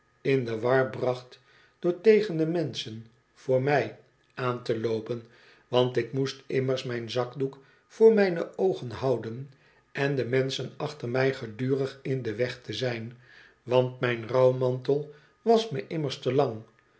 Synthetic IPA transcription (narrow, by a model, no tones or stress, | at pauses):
ɪndəʋɑɹbrɑχt | d̥ʊːɹtejχəndəmɛnsən | vʊːɹmɛj | ʔaːntəlowpən | ʋɑntɪkmustɪməɹsmɛjnzɑkduk | fʊːɹmɛjnəowχənɦɑwdən | ʔɛndəmɛnsənɑχtəɹmɛjχədyːrəχɪndəʋɛχtəzɛjn | ʋɑntmɛjnrɑwmɑntəlˠ | ʋɑsməʔɪməɹstəlɑŋ